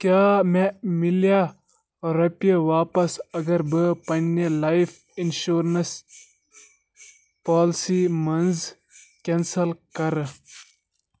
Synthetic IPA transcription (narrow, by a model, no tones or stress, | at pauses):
kjaːmemilja | ɾɐpeʋaːpɐsɐɡɐɾbɨpɐnelaif | inʃuːɾnɐs | paːlsimɐnz | kensɐlkɐɾ